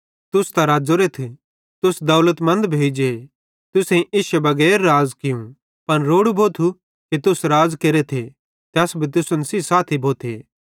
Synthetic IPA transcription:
t̪ʊst̪aɾaːd͡zoːɾet̪ʰ | t̪ʊsd̪ɐːlət̪mɐ̃nd̪bʱeːd͡ʒe | t̪ʊsẽʔiːsɛbɐɡɛːɾːaːzkɪjũ | pɐnɾoːɽubʱoːt̪ʰu | kit̪ʊsɾaːzkeːɾet̪ʰe | t̪ɛːsbʱit̪̬ʊsʊnsiːsaːt̪ʰibʱoːt̪ʰeː

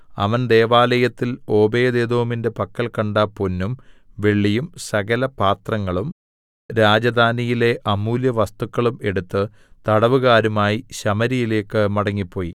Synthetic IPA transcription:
ɐ̰ʋɐnd̪e̞ːʋaːlɐjɐt̪ːilo̞ːbeːd̪eːd̪oːminde̞pɐkːɐlkɐɳɖaponːumʋe̞ɭːijumsɐɣɐlɐpaːt̪rɐŋːɐɭum | ɾaːd͡ʑɐd̪ʱaːnijile̞ʔɐmuːljɐʋɐst̪ukːɐɭume̞ɽut̪ːɨ | t̪ɐɽɐʋuɣaːɾumaːjiɕɐmɐɾijile̞ːkːɨmɐɽɐŋːipːo̞ːjḭ

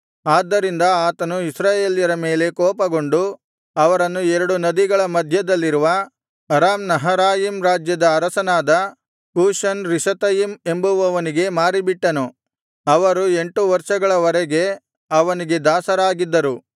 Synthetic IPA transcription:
aːd̪ːɐɾind̪ɐaːt̪ɐnuisɾaːje̞ːljɐɾɐme̞ːle̞kɔːpɐɡo̞ɳɖu | ɐʋɐɾɐnːuɛɾɐɽunɐd̪iɡɐɭɐmɐd̪ʱjɐd̪ɐlːiɾuʋɐ | ɐɾaːmnɐɦɐɾaːjiːmɾaːd͡ʒjɐd̪ɐːɾɐsɐnaːd̪ɐ | kuːʃɐnɾiʃɐt̪ɐjime̞mbuʋɐʋɐniɡe̞maːɾibiʈːɐnu | ɐʋɐɾue̞ɳʈuʋɐɾʂɐɡɐɭɐʋɐɾɛɡe̞ | ɐʋɐniɡe̞d̪aːsɐɾaːɡid̪ːɐɾu

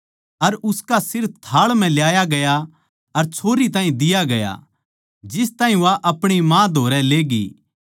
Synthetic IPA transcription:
ɐɾʊskasɪɾ̚t̪ʰaːɭm̤ɛ̃ljaːjaɡɐja | ɐɾt͡ʃʰoːɾit̪ãːĩd̪ɪjaɡɐja̰ | d͡ʒɪst̪aːɦĩʋaʔɐpɽ̃imãːd̪ʱoːɾɛleːɡḭː

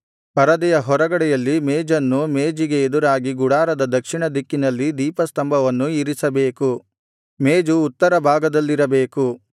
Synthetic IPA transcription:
pɐɾɐd̪ɛjɐɦɔɾɐɡɐɽɛjɐlːimeːd͡ʒɐnːumeːd͡ʒiɡe̞ːd̪uɾaːɡiɡuɽaːɾɐd̪ɐd̪ɐkʂiɳɐd̪ikːinɐlːid̪iːpɐst̪ɐmbʱɐʋɐnːuiɾisɐbe̞ːku | meːd͡ʒuːt̪ːɐɾɐbʱaːɡɐd̪ɐlːiɾɐbe̞ːku

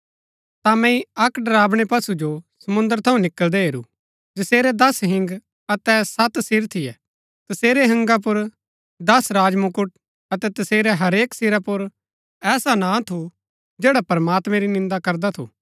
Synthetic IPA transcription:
t̪amɛ̃ĩɐkɖɐɾaːbɽ̃epɐsud͡ʒosɐmʊ̃nd̪əɾt̪ʰɐũnɪkəld̪ɛɦeːɾṵ | d͡ʒɐseːɾɛd̪ɐsɦɪ̃ŋɡ | ɐt̪ɛsɐt̪sɪɾt̪ʰɪjɛ | t̪ɐseːɾeɦɐ̃ŋɡap̬ʊɾ | d̪ɐsɾaːd͡ʒmʊkʊʈ̚ | ɐt̪ɛt̪ɐseːɾɛɦɐɾeːksɪɾapʊɾ | ɛːsanãːt̪ʰu | d͡ʒeːɽapɐɾmaːt̪mɛ̃ɾinɪ̃nd̪akɐɾd̪at̪ʰṵ

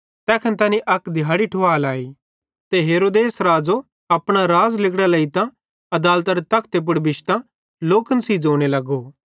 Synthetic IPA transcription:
t̪ɛːkʰənt̪aːnĩʔɐkd̪ʱɪjaːɽiʈʰoaːlaːiː | t̪eɦeːɾoːd̪eːsɾaːd͡zo | ɐpɽ̃aɾaːzlɪkɽalɐit̪ã | ɐd̪aːlt̪ɐɾet̪ɐkʰt̪ep̬ʊɽbɪʃt̪ã | loːkənsid͡zoːɽ̃elɐɡo

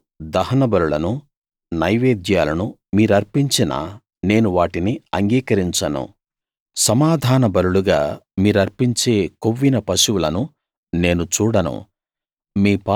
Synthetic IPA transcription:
d̪ɐɦɐnɐbɐɾuɭɐnu | nɐjʋeːd̪jaːlɐnu | miːɾuɐɾpiɲt͡ʃinɐ̰ | ne̞ːnuʋaːʈiniɐŋɡiːkɐɾiɲt͡ʃɐnṵ | sɐmaːd̪ʱaːnɐbɐɾuɭuɡa̰ːmiːɾuɐɾpiɲt͡ʃe̞ːkoʋːinɐpɐʃuwulɐnu | ne̞ːnut͡ʃuːɽɐnṵ | miːpa

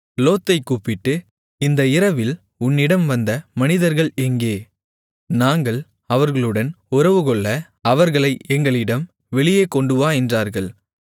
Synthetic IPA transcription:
loːt̪ːɐɪkuːpːɪʈːɯ | ɪnd̪ɐɪɾɐʋɪl | ʊnːɪɽɐmʋɐnd̪ɐmɐnɪðɐɾɣɐɭɛŋɡeː | naːŋɡɐɭ | ɐʋɐɾɣɐɭɯɽɐn | ʊɾɐʋɯɣɔɭːɐ | ɐʋɐɾɣɐɭɐɪʔɛŋɡɐɭɪɽɐm | ʋɛɭɪjeːkɔɳɖɯʋaːɛndraːɾɣɐɭ

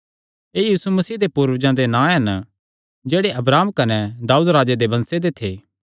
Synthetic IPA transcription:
eːjiːsumɐsiːd̪epuːɾʋd͡ʒãd̪enãːɦɐn | d͡ʒeːɽeʔɐbɾaːmkɐnɛd̪aːuːd̪ɾaːd͡ʒed̪ebɐ̃nsed̪et̪ʰḛː

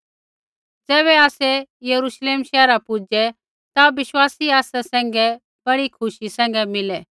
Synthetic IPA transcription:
d͡zɛːβɛaːsɛjɐɾuʃleːmʃɛːɾapʊd͡ʒɛ | t̪aʋɪʃwaːsiaːsasɛ̃ːŋ̆ɡɛ | b̥ɐɽikʰʊʃisɛ̃ːŋ̆ɡɛmɪlɛ

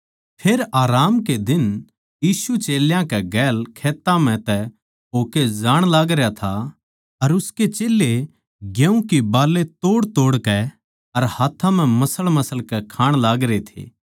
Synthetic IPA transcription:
pʰeːɾaːɾaːmked̪ɪn | jiːsut͡ʃeːljãkɛɡɛːlkʰeːt̪ːãm̤ɛ̃t̪ɛ | ɦoːkezaːɽ̃laːɡɾejat̪ʰa | ɐɾʊsket͡ʃeːlːe | ɡjẽũkibaːlːet̪oːɽt̪oːɽkɛ | ɐɾhaːt̪ʰãm̤ɛ̃mɐsəɭmɐsəlkɛkʰaːɽ̃laːɡɾet̪ʰḛː

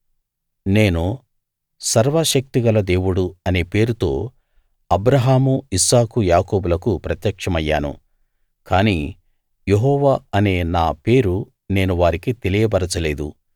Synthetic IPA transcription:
ne̞ːnu | sɐɾʋɐʃɐk̚t̪iɡɐlɐd̪e̞ːwuɽuɐne̞ːpe̞ːɾut̪o̞̰ː | ɐbɾɐɦaːmuisaːkujaːko̞ːbulɐkupɾɐt̪jɐkʂɐmɐjːa̰ːnṵ | kaːniː | jeɦɔːʋaːɐne̞ːnaːpe̞ːɾu | ne̞ːnuʋaːɾikit̪e̞lijɐbɐɾɐt͡ʃɐle̞ːd̪ṵ

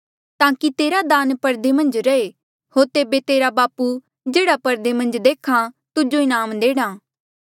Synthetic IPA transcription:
t̪ãːkit̪eːɾad̪aːnpɐɾd̪emɐ̃nd͡ʒɾɐe | hoːɾt̪eːbet̪eːɾabaːpu | d͡ʒeːɽapɐɾd̪emɐ̃nd͡ʒd̪eːkʰã | t̪ʊd͡ʒoɪnaːmd̪eːɽ̃aː

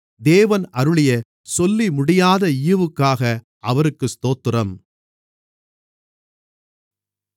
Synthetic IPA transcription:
d̪eːʋɐnɐɾɯɭɪjɐ | sɔlːimʊɽɪjaːðɐɪjɯʋɯkːaːɣɐ | ʔɐʋɐɾɯkːɯst̪oːt̪ːɯrɐm

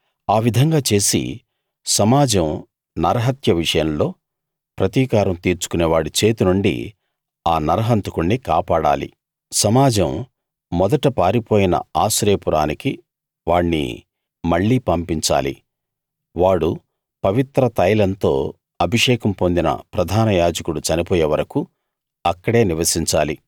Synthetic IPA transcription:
aːʋid̪ʱɐŋɡaːt͡ʃe̞ːsḭ | sɐmaːd͡ʒɐm | nɐɾɐɦɐt̪jɐʋiʂɐjɐmlo̞ː | pɾɐt̪iːkaːɾɐmt̪iːɾt͡ʃu̥kuneːʋaːɽit͡ʃe̞ːt̪unuɳɖḭ | aːnɐɾɐɦɐnt̪ukuɳːikaːpaːɽa̰ːlḭ | sɐmaːd͡ʒɐmː | ɔd̪ɐʈɐpaːɾipo̞ːjinɐ̰aːsɾe̞ːpuɾaːniki | ʋaːɳːḭ | mɐɭːiːpɐmpiɲt͡ʃa̰ːlḭ | ʋaːɽu | pɐʋit̪ɾɐt̪ɐjlɐnt̪o̞ː | ɐbʱiʂɛːkɐmpo̞nd̪inɐ̰pɾɐd̪ʱaːnɐjaːd͡ʒɐkuɽut͡ʃɐnipoːjeːʋɐɾɐku | ɐkːɐɽe̞ːniʋɐsiɲt͡ʃaːli

